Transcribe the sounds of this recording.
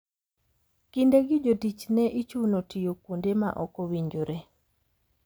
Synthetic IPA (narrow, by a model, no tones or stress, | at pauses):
kindeɡɪd͡ʒotit͡ʃnɛʔit͡ʃunotijokwondema̰ʔɔkɔwiɲd͡ʒoɾe